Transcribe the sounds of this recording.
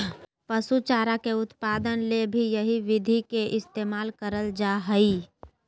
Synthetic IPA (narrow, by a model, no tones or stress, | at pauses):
pəsut͡ʃaːɾakeʊt̪paːd̪ənlebʱijəɦiʋɪd̪ʱikeʔɪst̪eːmaːlkəɾəld͡ʒaɦəi